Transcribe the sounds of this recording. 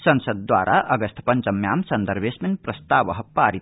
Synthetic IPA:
sʌnsəd̪̚ːwa̰ːɾʔa̰ʔʌɡəst̪ʰpɐnt͡ʃɐmjaːmsɐnd̪əɾʋesmenpɾɐst̪aːʋʌɦpaːɾit̪

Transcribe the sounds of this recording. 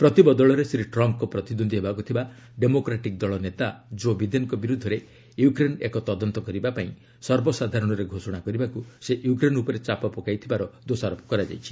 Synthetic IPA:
pɾɔt̪ibɔd̪ɔɭɔɾesɾiʈɾɔmpkɔpɾɔt̪id̪ond̪ʱiɦebakut̪ʰibaɖemokɾaʈik̚d̪ɔɭɔnet̪ad͡ʒobid̪enkɔbiɾud̪ʱːɔɾe | jukɾenekɔt̪ɔd̪ɔnt̪ɔkɔɾibapaĩ | sɔɾbɔsad̪ʱaɾɔɽ̃ɔɾeɡʱosɔɽ̃akɔɾibakuseʔjukɾenupɔɾet͡ʃapɔpɔkajt̪ʰibaɾɔd̪osaɾɔpʰɔ̥kɔɾad͡ʒa̰jt͡ʃʰi̥

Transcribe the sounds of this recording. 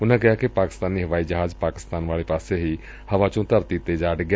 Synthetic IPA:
ʊnãkɪɦaːkipaːkɪ̥st̪aːniːɦəʋaːiːd͡ʒəɦaːd͡ʒpaːkɪ̥st̪aːnʋaːɭepaːseɦiː | hɐʋat͡ʃõt̪əɾt̪iːt̪ːed͡ʒaːɖɡa

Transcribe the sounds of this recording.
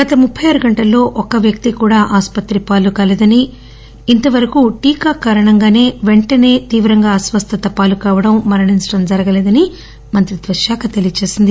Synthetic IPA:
ɡɐt̪ɐmupʰːɐjɐːɾuɡɐɳʈɐlːo̞ːʔɔkɐʋjɐk̚t̪ikuːɽaːʔaːspɐt̪ɾipaːlukaːleːd̪ɐniː | nt̪ɐʋɐɾɐkuʈiːkaːkaːɾɐɳɐŋɡaːne̞ːʋe̞ɳʈɐne̞ːt̪iːʋɾɐŋɡaːɐsʋɐst̪ʰɐt̪ɐpaːlukaːʋɐɽɐmːɐɾɐɳinsʈɐmd͡ʒɐɾɐɡɐleːd̪ɐni | mɐnt̪ɾid̪ʋɐʃjaːkɐt̪elijɐt͡ʃe̞ːsind̪i

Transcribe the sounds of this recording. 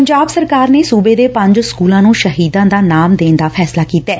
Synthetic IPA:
əɲd͡ʒaːbsəɾkaːɾneːsuːbeːd̪eːpə̃ɲd͡ʒskuːlãːnũːʃəɦiːd̪ãːd̪aːnaːmd̪eːnd̪aːpʰɛːslaːkiːt̪ɛː

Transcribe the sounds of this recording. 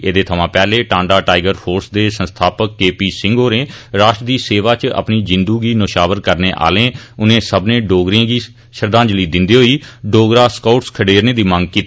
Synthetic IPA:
eːd̪eːt̪ʰəʋãːpɛːleːʈãːɳɖaːʈaːɪɡəɾpʰoːɾsd̪eːsə̃nst̪ʰaːpəkːeːpiːsɪ̃ŋɡoːɾẽːɾaːʃʈd̪iːseːʋaːt͡ʃə̰pniːd͡ʒɪnd̪uːɡiːnʊʃaːʋəɾkəɾneːʔa̰ːlẽːʊnẽːsəbnẽːɖoːɡɾjãːɡiː | ʃəɾd̪ãːd͡ʒliːd̪ɪnd̪iːɦoːiːɖoːɡɾaːskauʈskʰəɖeːɾnẽːd̪iːmə̃ŋɡ̚kiːt̪

